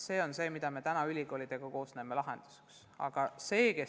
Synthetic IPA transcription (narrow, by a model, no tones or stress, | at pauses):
se̞ːo̞nse̞ːmid̪̥ɑme̞t̪ænɑylʲiko̞ːlʲit̪e̞ɡ̥uko̞ːsne̞ːmːe̞lɑɦe̞̰nd̪̥u̥se̥ks | ɑ̰ɡ̥ɑse̞ːke̞